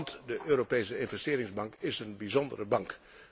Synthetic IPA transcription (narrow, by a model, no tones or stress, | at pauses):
ntdəʔøːropejsəɪnvɛstɪːɾɪŋzbɑŋkɪsənbizɔndərəbɑŋk